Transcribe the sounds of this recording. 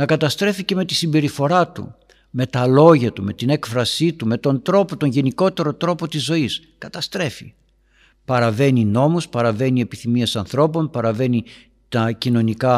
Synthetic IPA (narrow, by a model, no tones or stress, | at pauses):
nɐkɐt̪ɐst̪ɾe̞fice̞me̞t̪isimbe̞ɾifo̞ɾɐt̪ṵ | me̞t̪ɐlo̞ʝɐt̪ume̞t̪ine̞kfɾɐsit̪ume̞t̪o̞nd̪ɾo̞pot̪o̞ɲʝe̞niko̞t̪e̞ɾo̞t̪ɾo̞po̞t̪izːo̞is | kɐt̪ɐst̪ɾe̞fḭ | pɐɾɐve̞nino̞muspɐɾɐve̞nie̞piθimiesɐnθɾo̞po̞npɐɾɐve̞ni | t̪ɐcino̞nikɐ